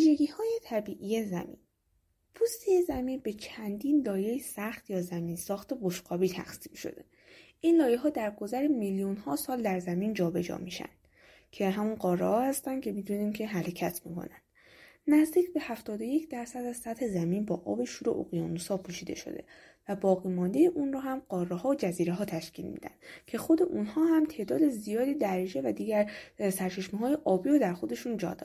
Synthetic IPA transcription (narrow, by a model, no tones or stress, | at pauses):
viːʒe̞ɟiːhɒːjet̪ʰæbiːʔijezæ̰mḭn | pʰust̪ijezæmiːnbe̞t͡ʃʰænd̪iːnlɒːjejisæxt̪jɒːzæmiːnsɒːxt̪e̞boʃɢɒːbiːt̪ʰæ̰xsiːmʃo̞̰d̪e̞ | ʔinlɒːje̞ɦɒːd̪æɾɡo̞zæɾemiljunhɒːsɒːld̪æɾzæmiːnd͡ʒɒːbe̞d͡ʒɒ̰miʃæ̰nd̪̥ | cʰe̞ɦæmunɢɒːrːḛhɒːhæst̪æn̥cʰe̞mid̪uniːmcʰe̞ɦæɾecʰæt̪ʰmḭkʰo̞̰nænd̪̥ | næzd̪iːcbe̞hæft̪ɒːd̪oje̞cʰd̪æɾsæd̪æz̥sæt̪he̞zæmiːnbɒːʔɒːbe̞ʃuːɾo̰ʔo̰ɣijɒ̰ːnusɒːpʰuːʃiːd̪e̞̰ʃo̞̰d̪e̞̰ | væbɒːɣiːmɒːnd̪e̞jeʔunrɒːɦæmɢ̥ɒːrːehɒːod͡ʒæziːɾeɦɒːt̪ʰæʃcḭlmḭːd̪æ̰nd̪̥cʰe̞xo̞d̪e̞ʔuːnhɒːɦæmt̪ʰe̞ːʔd̪ɒːd̪e̞zijɒːd̪iːd̪ærid͡ʒe̞væd̪iːɟæɾsæɾt͡ʃʰe̞ʃmiɦɒːje̞ʔɒːbiːɾod̪æɾxo̞d̪e̞ʃund͡ʒɒ̰ːd̪ɒ